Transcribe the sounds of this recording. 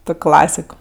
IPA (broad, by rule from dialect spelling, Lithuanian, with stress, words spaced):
ˈtoːkʲ ˈklˠɑːsʲɪk